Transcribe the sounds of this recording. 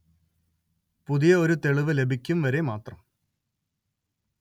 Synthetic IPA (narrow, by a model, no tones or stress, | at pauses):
puðijɐoɾut̪e̞ɭiʋɨle̞bʱikʲːumʋɐɾe̞maːt̪rɐm